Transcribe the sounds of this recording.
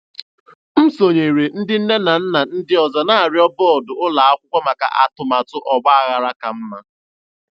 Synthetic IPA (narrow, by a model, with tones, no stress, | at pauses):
m̩˦so˨ɲe˨ɾe˨n̩˦dɪ˦n̩˦ne˦na˨n̩˦na˨n̩˦dɪ˦ɔ˨za˨na˦a˨ɾjɔ˦bɔ˦ɔ˨dʊ˨ʊ˦la˨a˦kʷʊ˦kʷa˦ma˨ka̰˨ʔa̰˨tʊ˨ma˨tʊ˦ʔɔ˨ɡ͡ba˦a˨ɣa˨ɾa˦ka˨m̩˦ma˦